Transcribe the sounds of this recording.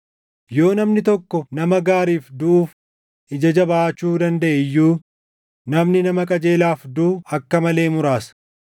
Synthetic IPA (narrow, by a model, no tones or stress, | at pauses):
jo̞ːnɐmnɪt̪ɔkːɔnɐmɐɡaːɾiːfd̪ʊʔuːf | ʔɪd͡ʒɐd͡ʒɐbɐaːt͡ʃːuːd̪ɐnd̪ɐʔɛjːuː | nɐmnɪnɐmɐkʼɐd͡ʒe̞ːlaːfd̪uːɐkːɐmɐle̞ːmʊɾaːsɐ̥